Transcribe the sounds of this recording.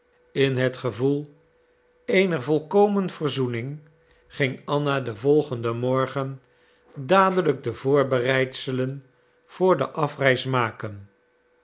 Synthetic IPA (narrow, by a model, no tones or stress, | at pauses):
ɪnɦətχəvulˠ | ejnəɹvɔlˠkowmənv̥ərzunɪŋ | χɪŋɑnadəvɔlˠχəndəmɔɹχən | daːdələɡ̚dəvʊːɹbərɛjtsələn | v̥ʊːɹdə̰ʔɑfrɛjsmaːkən